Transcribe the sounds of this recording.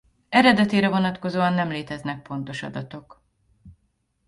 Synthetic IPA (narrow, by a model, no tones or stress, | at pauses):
ɛɾɛd̪ɛt̪eːɾɛvo̞nɒt̪ko̞zoːɒnːɛmleːt̪ɛznɛk̚po̞nt̪o̞ʃɒ̰d̪ɒt̪o̞k